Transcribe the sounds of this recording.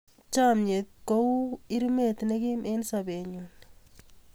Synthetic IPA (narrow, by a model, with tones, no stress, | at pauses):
t͡ʃa˦mɲe˨t̪̚ko˦wɪ˦ɾme˨t̪nɛ˦ɡi˦me˦nsabe˨ɲu˨n